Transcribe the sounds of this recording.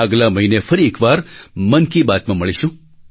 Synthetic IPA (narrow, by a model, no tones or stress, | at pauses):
əɡlaməɦinefəɾiekʋaɾmənkibat̪mãməɭiʃũ